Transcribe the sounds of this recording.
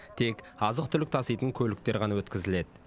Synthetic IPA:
t̪ʰe̞kɑzəqt̪ʰʏlɪk̚t̪ʰɑsɑjt̪əŋkʲʰɵlɪk̚t̪e̞ɾʁɑnɑwɵt̪kʲɪzɪle̞d̪ɪ

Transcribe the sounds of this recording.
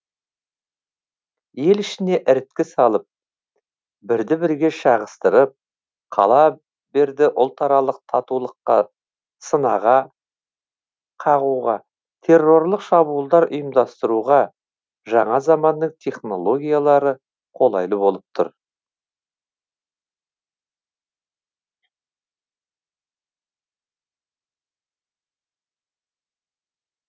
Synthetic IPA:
je̞lɪʃɪne̞ʔɪɾɪt̪kʲɪsɑlˠəp̚ | bɪɾd̪ɪbɪɾɡʲe̞ʃɑʁəst̪əɾəp̚ | qʰɑ̰lˠɑ | be̞ɾd̪ɪʔʊlˠt̪ɑɾɑlˠəq̚t̪ʰɑt̪ulˠəqːɑ | sənɑʁɑ | qʰɑʁuʁɑ | t̪ʰe̞rːo̞ɾlˠəqʃɑbuəlˠd̪ɑɾʊjəmd̪ɑst̪əɾuʁɑ | ʒɑɴɑzɑmɑnːəɴt̪ʲʰe̞χno̞lˠo̞ɡʲijalˠɑɾə | qʰo̞lˠɑjlˠəbo̞lˠəp̚t̪ʰʊ̰ɾ

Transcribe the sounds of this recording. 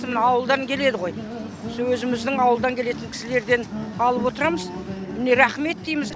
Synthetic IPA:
mnɑwəlˠd̪ɑŋkʲʰe̞le̞d̪ɪʁo̞j | swɵzɪmɪzd̪ɪŋɑwəlˠd̪ɑŋkʲʰe̞le̞t̪ɪŋkʲʰɪ̥sɪle̞ɾd̪e̞nɑlˠəpwo̞t̪əɾɑməz | mɪne̞ɾæχme̞t̪̚d̪ejmɪz

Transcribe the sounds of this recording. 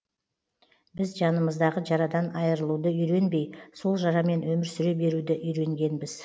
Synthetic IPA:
bɪzʒɑnəməzd̪ɑʁəʒɑɾɑd̪ɑnɑjəɾəlˠud̪əʏjɾe̞nbe̞jso̞lˠʒɑɾɑme̞nwɵmɪɾsʏɾebe̞ɾud̪ɪʔʏjɾe̞ŋɡʲe̞nbɪz̥

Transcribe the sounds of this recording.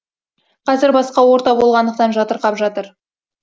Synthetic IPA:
qʰɑzɪɾbɑsqɑwo̞ɾt̪ɑbo̞lˠʁɑnd̪əq̚t̪ɑnʒɑt̪əɾqɑpʒɑt̪əɾ

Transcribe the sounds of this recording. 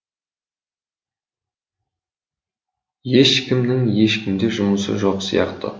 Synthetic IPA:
je̞ʃkʲʰɪmnɪŋje̞ʃkʲɪmd̪e̞ʒʊməsə̰ʒo̞qsijɑ̰qt̪ə̰

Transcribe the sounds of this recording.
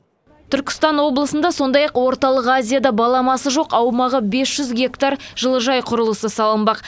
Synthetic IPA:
t̪ʰʏɾkʲɪ̥st̪ɑnwo̞blˠəsənd̪ɑso̞nd̪ɑjɑqwo̞ɾt̪ɑlˠəqazʲijad̪ɑbɑlˠɑmɑsəʒo̞qɑwmɑʁəbe̞sʒ̥ʏzɡʲe̞kt̪aɾʒ̥əlˠəʒɑjqʰʊɾəlˠəsəsɑlˠəmbɑq

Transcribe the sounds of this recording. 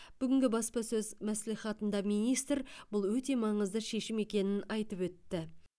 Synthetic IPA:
b̥ʏɡʲɪŋɡʲɪbɑspɑsɵzmæsliχɑt̪ənd̪ɑmijnijst̪ɾb̥ʊlˠwɵt̪e̞mɑɴəzd̪əʃe̞ʃɪme̞kʲe̞nɪnɑjt̪əpwɵt̪ːɪ

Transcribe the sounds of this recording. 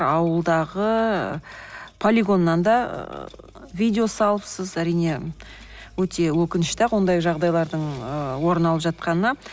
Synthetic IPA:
ɑwəlˠd̪ɑʁə | pʰolʲiɡo̞nːɑnd̪ɑ̰ | vʲijd̪ʲeo̞sɑlˠəpsəzæɾijne̞ | wɵt̪e̞wɵkʲɪnɪʃt̪ewo̞nd̪ɑjʒɑʁd̪ɑjlˠɑɾd̪əɴəwo̞ɾənɑlˠəpʒɑt̪̚qɑnənɑ

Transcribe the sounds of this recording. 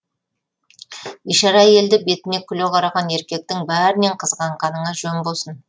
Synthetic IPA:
iʃɑɾɑje̞ld̪ɪbe̞t̪ɪne̞kʲʰʏleqʰɑɾɑʁɑne̞ɾkʲe̞k̚t̪ɪŋbæɾɪne̞ɴqʰəzʁɑɴqʰɑnəɴɑʒɵmbo̞lˠsən

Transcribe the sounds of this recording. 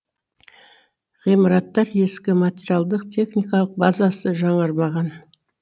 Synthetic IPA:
ʁijmɑɾɑt̪ːɑɾe̞skʲɪmat̪ʲeɾijalˠd̪əqt̪ʲʰe̞χnijkɑlˠəq̚bɑzɑsəʒɑɴəɾmɑʁɑn

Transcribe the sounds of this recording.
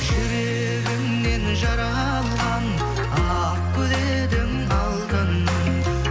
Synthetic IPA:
ʒɪɾe | ɡʲɪmne̞nʒɑɾɑ | lˠʁɑn | ɑ | q̚kʲʰɵle | d̪ɪm | ɑlˠd̪ən

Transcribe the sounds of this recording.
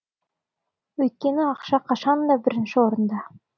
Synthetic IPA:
wɵjt̪̚kʲe̞nɪɑqʃɑqʰɑʃɑnd̪ɑbɪɾɪnʃɪwo̞ɾənd̪ɑ

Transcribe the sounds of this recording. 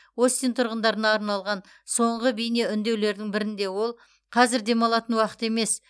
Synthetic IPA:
o̞st̪int̪ʰʊɾʁənd̪ɑɾənɑːɾnɑlˠʁɑn | so̞ɴʁəbijneʏnd̪e̞wle̞ɾd̪ɪŋbɪɾɪnd̪e̞wo̞lˠ | qʰɑzɪɾd̪e̞mɑlˠɑt̪ənwɑqə̥t̪e̞me̞s

